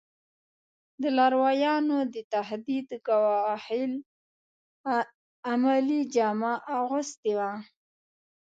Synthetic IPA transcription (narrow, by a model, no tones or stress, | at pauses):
d̪əlaɾwɑjɑnod̪ət̪aɦd̪id̪kawɑhɪl | amalid͡ʒɑmaʔaɣʊst̪ewa